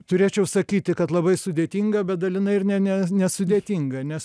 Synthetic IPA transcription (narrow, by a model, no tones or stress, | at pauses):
t̪ʊɾʲeːt͡ʃʲɛʊsɐkʲiːt̪ʲɪkɐt̪lˠɐbɐɪsʊd̪ʲeːt̪ʲiːŋɡɐbʲɛt̪̚d̪ɐlʲɪnɐɪɪrnʲɛnʲɛnʲɛsʊd̪ʲeːt̪ʲiŋɡɐnʲɛs